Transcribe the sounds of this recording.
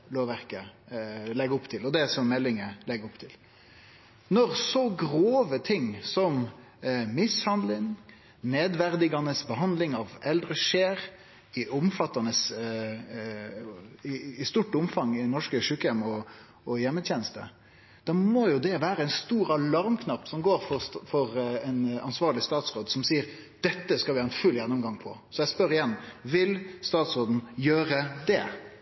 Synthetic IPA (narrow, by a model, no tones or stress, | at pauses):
loːʋæɾkə | lɛɡʊpt̪ʰɪlɔd̪ɛsɔmmɛlːɪŋəlɛɡʊpt̪ʰɪl | nɔʁsɔɡʁoːʋət̪ʰɪŋsɔm | mɪshɑnd̪lɪŋ | neːd̪ʋæʁd̪ɪɡɑnəsbəɦɑnd̪lɪŋɑʋɛld̪ʁəʂeːɾ | ɪʔʊmfɑt̪ːɑnəs | ɪɪst̪uːʈʊmfɑŋɪnɔʂkəʂʉːkəjɛmɔ | ɔjɛmːət̪ʰjɛnəst̪ə̰ | d̪̥ɑmɔjʊd̪ɛʋæːɾəɛɪnst̪uːɾɑlɑɾmkʰnɑpːsɔmɡoːɾfɔfɔɾɛnɑ̰nsʋɑːɭɪst̪ɑːt̪sʁoːd̪sɔmsiːəɾ | d̪̥ɛt̪ːəskɑlʋɪːɾɛnfʉlːjɛnːʊmɡɑŋpʰɔ̰sɔjɛɪspœɾɪjɛnʋɪlst̪ɑːt̪sɾoːd̪n̩jøːɾəd̪ɛ̰